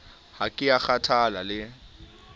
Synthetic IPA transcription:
hakʼɪak͡xatʰalalɪ

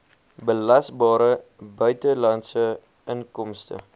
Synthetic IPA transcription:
bəlɐsbɑːɾəbœɥtəlɐntsə | əŋkɔmstə̰

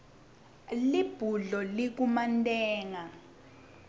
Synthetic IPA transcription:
lib̥ʱuɮɔlik̬umantʼɛːŋa

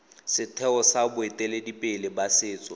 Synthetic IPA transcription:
sɪtʰɛɔsabʊetʼɛledipʼɪlɪbasɪːt͡sʼɔ

